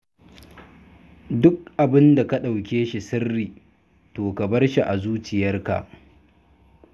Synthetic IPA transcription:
dʊ˦k̚ʔa˨bɪ˦nda˨ka˦ɗa˨wkʲeː˦ʃi˨sɪ˦rːiː˨ | toː˨ka˨bɐ˦rʃi˨ʔa˨zuː˦t͡ʃɪ˨jɐ˦rka̰˨ʔ

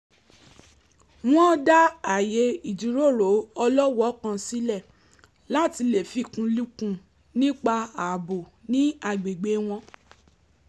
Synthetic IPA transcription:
w̃ɔ̃˦da˦a˨je˨˦i˨d͡ʒu˨ɾo˦˨ɾo˨˦ɔ˧lɔ˦wɔ˨˦kã˧si˨˦lɛ˦˨ | la˦˨ti˧le˨fi˧˦˨kũ˧lu˦kũ˧ | nĩ˦k͡pa˧a˨bo˨nĩ˦a˧˨ɡ͡be˨ɡ͡be˨˦w̃ɔ̃˧

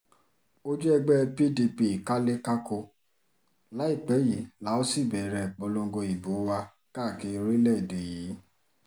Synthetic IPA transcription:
o˦d͡ʒɛ˦ɛ˧ɡ͡bɛ˦pi˦di˧pi˧i˨ka˦le˦ka˦ko˧ | la˨˦i˦˨k͡pɛ˨˦ji˨˦la˨˦o˦si˦˨bɛ˨ɾɛ˨k͡pɔ˨˧lõ˧˦ɡo˧i˨bo˨˦wa˧ | ka˦˨ki˧ɾi˦lɛ˦˨de˨ji˨˦

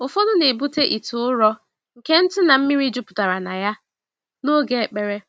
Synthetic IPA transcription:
ʊ˨fo˦dʊ˦ne˨bu˦te˦ʔi˨tʊ˨ʊ˦ɾɔ˦ | ŋ̩˨ke˦n̩˦tʊ˦na˨m̩˦mi˦ɾi˦d͡ʒʊ˦pʊ̥˨ta˨ɾa˨na˨ja˦ | no˦ɡe˦˨k͡pe˨ɾe˦

